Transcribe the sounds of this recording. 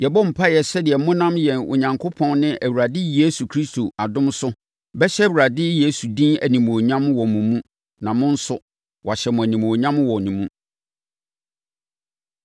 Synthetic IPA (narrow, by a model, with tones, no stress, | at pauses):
jɛ˨bɔ˦m̩˨pʰa˦jɛ˨sɛ˦dɪ˨ɛ˨mʊ̃˦nã˦mjɛ˨nʊ̰˨ɲã˨ŋkʰo˦pʰɔ̃˦nnɪ̃˦ʔæ˨wu˨ɾa˨dɪ˦je˦su˨kʰɾi˦stʰo˨ʔa˨dʊ̃˦msʊ˦ | bɛ˦ɕɛ˦wu˨ɾa˨dɪ˦je˦su˨dĩ˦næ˨nĩ˨m˨o˨ɲã˦mwɔ˨mũ˨mũ˦ | nã˨mʊ̃˦n̩˦sʊ˦ | wʔa˨ɕɛ˨mʊ̃˨æ˨nĩ˨m˨o˨ɲã˦mwɔ˨nĩ˨mũ˦